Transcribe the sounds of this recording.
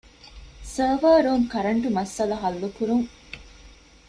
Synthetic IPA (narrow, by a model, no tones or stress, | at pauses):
səːʋəːɾuːŋkɐɾɐɳʈumɐsɐlɐɦɐlːukuɾuŋ